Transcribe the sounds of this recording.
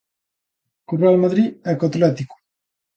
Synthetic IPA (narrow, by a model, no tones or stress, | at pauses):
kurealmaðɾiɛkat̪lɛt̪iku̥